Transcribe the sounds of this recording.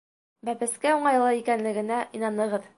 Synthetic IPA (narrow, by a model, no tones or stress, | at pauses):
bæpɘ̆skæuɴɑjlˠɤikænlɘ̆ɡɘ̆næʔinɑnɤ̆ʁɤð